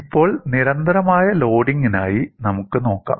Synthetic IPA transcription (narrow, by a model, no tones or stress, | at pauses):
ipːo̞ːɭniɾɐnd̪ɐɾɐmaːjɐlo̞ːɽiŋɡinaːjinɐmukːɨno̞ːkːa̰ːm